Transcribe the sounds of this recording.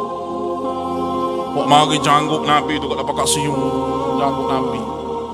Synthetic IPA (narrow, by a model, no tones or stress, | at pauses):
waʔmaɡid͡ʒaŋɡʊʔ̚nampid̪ukat̪apakaʔsijud͡ʒaŋɡʊʔ̚nampi